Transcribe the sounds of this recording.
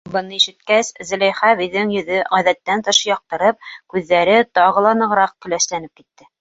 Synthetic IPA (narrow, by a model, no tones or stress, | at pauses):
bɤ̆nɤiʃɘ̆t̪̚kæszɘ̆læjχæβĭðɘŋjɵ̆ðɵʁæðæt̪ːænt̪ɤ̆ʃɤjɑq̚t̪ɤ̆ɾɤp̚kʉðːæɾɘt̪ɑʁɤ̆lˠɑnɤ̆ʁɾɑq̚kɵ̆læʃlænɘp̚kit̪ːɘ